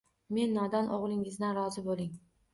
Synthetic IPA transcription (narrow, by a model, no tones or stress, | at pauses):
me̞nːɒd̪ɒnʔoʁlˠɪŋɪzd̪anɾɒzɪbolˠɪŋ